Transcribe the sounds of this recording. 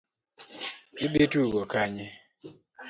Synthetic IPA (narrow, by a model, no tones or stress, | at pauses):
ɪd̪etuɡɔkaɲɪ